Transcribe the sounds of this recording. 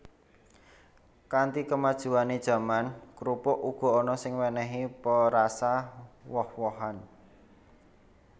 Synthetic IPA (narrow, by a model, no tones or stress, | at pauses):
kant̪ikəmad̥ʒ̥ṳaned̥ʒ̥ä̤mankɾupʊʔuɡ̥ɔ̤ɔnɔsɪŋwɛnɛɦipəɾasawɔhwɔɦan